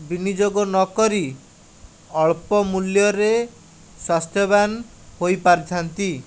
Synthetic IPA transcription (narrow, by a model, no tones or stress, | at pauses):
binid͡ʒoɡɔnɔkɔɾi | ɔɭpɔmuljɔɾe | swast̪ʰjɔban | hojpaɾt͡ʃʰɔnt̪i